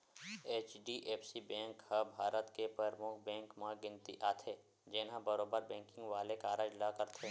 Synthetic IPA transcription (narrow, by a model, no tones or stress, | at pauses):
eːt͡ʃɖiʔeːpsibɛ̃ːŋkhəbʱaːɾət̪kepɾəɾmʊkʰbɛ̃ːŋkmãɡɪ̃nt̪ḭʔaːt̪ʰe | d͡ʒeːnɦãbəɾoːbəɾbɛ̃ːŋkɪ̃ŋɡʋaːlekaːɾəd͡ʒlakəɾt̪ʰe